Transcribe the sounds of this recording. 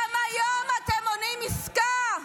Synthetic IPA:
amajɔmatɛmɔnimiska

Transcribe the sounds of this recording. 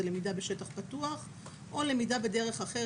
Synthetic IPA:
elemidabeʃetaχpatuaχ | ʔo̞le̞midabede̞ʁe̞χaχe

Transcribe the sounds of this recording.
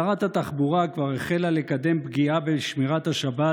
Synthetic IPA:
ʁat̪hat̪aχbuʁakvaʁeχe̞lalekad̪e̞mbɡiabeʃmiʁat̪haʃaba

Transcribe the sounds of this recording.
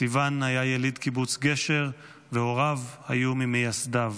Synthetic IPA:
ivanhajajelidkibut͡sɡe̞ʃe̞ʁ | veo̞ʁavhajumimejasdav

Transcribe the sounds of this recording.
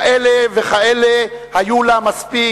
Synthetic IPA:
ʔeleveχaele | hajulamaspi

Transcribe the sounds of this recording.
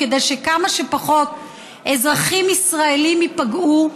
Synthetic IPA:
kedejʃe̞kamaʃe̞paχo̞t | ezʁaχimisʁaelimipaɡu

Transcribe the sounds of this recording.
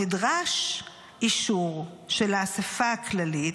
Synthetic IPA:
idʁaʃ | iʃuʁ | ʃelaːsefaaklalit

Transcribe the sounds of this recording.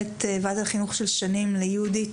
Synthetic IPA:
tevathaχinuχʃelʃanimlejeudit

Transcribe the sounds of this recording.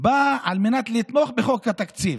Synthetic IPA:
baalmenat̪lit̪moχbeχokhat̪akt͡sil

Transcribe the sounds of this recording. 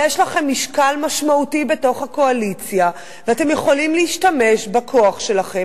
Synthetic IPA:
jeʃlaχe̞mːiʃkalmaʃmautibe̞to̞χhako̞alit͡sja | veate̞mjeχolimliːʃtame̞ʃbakʰo̞aχʃe̞laχe̞

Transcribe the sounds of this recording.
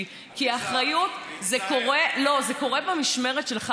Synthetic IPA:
kiaːχʁajutzeko̞ʁelo̞zeko̞ʁebemiʃme̞ʁetʃelχa

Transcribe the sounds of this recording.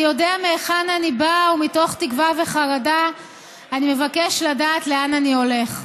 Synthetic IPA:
jo̞deameeχananibaumito̞χt̪ikvave̞χaʁada | anime̞vake̞ʃladaːtle̞ananio̞leχ

